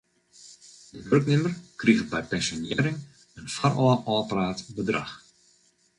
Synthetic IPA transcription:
dəʋɵrknɪmərkriɣəbɛjpɛnsjonɪːɾɪŋ | ənfarɔəʔɔpəraːtbədra̰x

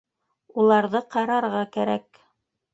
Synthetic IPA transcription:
ulˠɑɾðɤqɑɾɑɾʁɑkæɾæk

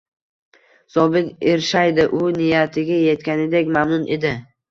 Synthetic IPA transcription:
sɒbɪt̪eɾʃajd̪ɪʔʊnɪjat̪ʰɪɡʲaje̞t̪kʲanɪd̪ekʲmamnʊnʔe̞d̪ɪ

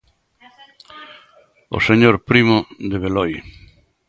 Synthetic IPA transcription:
o̰seɲoɾpɾimoðeβ̞elɔj

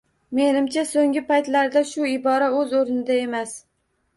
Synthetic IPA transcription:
me̞nɪmt͡ʃʰasoŋʲɪpajt̪laɾd̪aʃʊɪbɒɾaɵzoɾnɪd̪ae̞mas

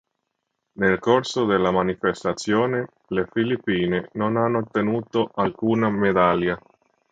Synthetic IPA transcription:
nelkorsod̪elːamanifest̪at̪sːjoːne | lefilipːiːnenonanːoːt̪ːenuːt̪oʔalkuːnamed̪alja

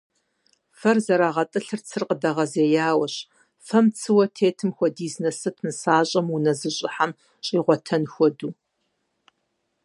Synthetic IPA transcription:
fɐrzɐɾaːʁɐtʼɨɬɨrt͡sʰɨrqədɐʁɐzeːjaːwɐɕ | fɐmt͡sʰɨwɐtʰeːtʰɨmxʷɔdiːznɐsɨpʰnɨsaːɕʼɐmunɐzɨɕʼɪħam | ɕʼiːʁʷɔtʰɐnxʷɔduː

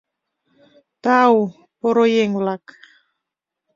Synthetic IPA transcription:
t̪aw | poɾojeŋwlak

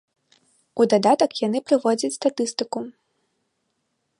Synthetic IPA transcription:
ud̪ad̪at̪ɐkjanɨpɾɨvɔd͡zʲɐt͡sʲst̪at̪ɨst̪ɨku

